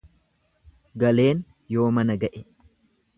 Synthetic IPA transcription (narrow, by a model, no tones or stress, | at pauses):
ɡɐle̞ːn | jo̞ːmɐnɐɡɐʔɛ